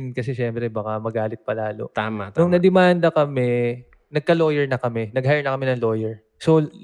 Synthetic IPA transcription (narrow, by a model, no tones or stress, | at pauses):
nkɐsɛʃɛmpɾɛbakamɐɡaːlɪt̪̚pɐlaːlo̞̰t̪aːmat̪nʊŋnɐd̪ɛmand̪ɐkɐmɛ | nɐɡ̚kɐlo̞ːjɛɹnɐkɐmɛnɐɡ̚hajnɐkɐmɛnɐŋlo̞ːjɛɹ | so